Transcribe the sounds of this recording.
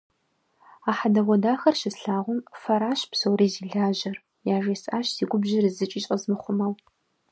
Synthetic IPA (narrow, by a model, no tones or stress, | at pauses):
aːħadɐʁʷɔdaːxɐrʃɪsɬaːʁʷʊmfɐɾaːʃpsowɾiːziːɮaːʒɐr | jaːʒeːsaːɕsiːɡʷʊbʒɪrɨzɨt͡ʃʼiːɕʼɐzmɨχʷʊmɐw